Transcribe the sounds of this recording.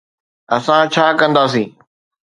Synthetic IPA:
ɐsãt͡ɕʰaːkə̃nd̪aːsĩː

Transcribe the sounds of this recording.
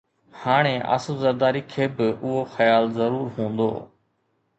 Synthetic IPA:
haːɽ̃eːʔə̰smzəɾd̪aːɾiːkʰeːbɪʔʊɦoxəjaːlzəɾuːɾɦũːnd̪o̰ː

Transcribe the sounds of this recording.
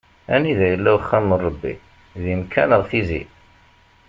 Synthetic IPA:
æniðæjəlːæwəχːæmərˤːəbːḭ | ðimkːænəʁθizḭ

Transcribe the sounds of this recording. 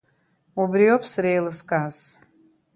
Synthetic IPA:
ubrijopʰsrejlɨskʼas

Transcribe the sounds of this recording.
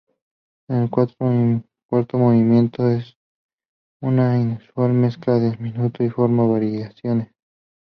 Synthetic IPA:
enelkwat̪ | kwaɾt̪omoβimjent̪oes | unainuswalme̞sklaðelmĩnut̪oifoɾmaβaɾiasjones

